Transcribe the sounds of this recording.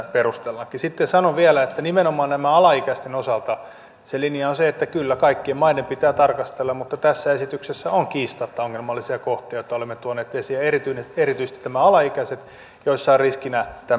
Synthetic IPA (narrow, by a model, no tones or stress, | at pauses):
perust̪elːɑkːisit̪ːesɑnoʋielæet̪ːænimenomɑːnnæmæɑlɑikæst̪enosɑlt̪ɑ | selinijɑonseet̪ːækylːækɑikːiemmɑinempit̪æːt̪ɑrkɑst̪elːɑmmut̪ːɑt̪æsːæesit̪yksesːæoŋkiːst̪ɑt̪ːɑoŋːelmɑlːisiɑkoht̪iɑjot̪ːɑolemːet̪uonːeːt̪esiæerit̪yineerit̪yist̪it̪ːnæmæɑlɑikæset̪ | joisːɑiriskinæt̪æ